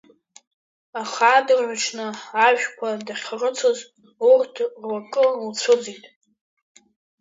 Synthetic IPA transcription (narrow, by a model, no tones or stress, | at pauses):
aχaːdɨrʕʷaʈ͡ʂʰnɨaʒᶣkʷʰadaχʲrət͡sʷʰoz | urtʰrwakʼɨnlt͡sʷʰʊd͡zitʼ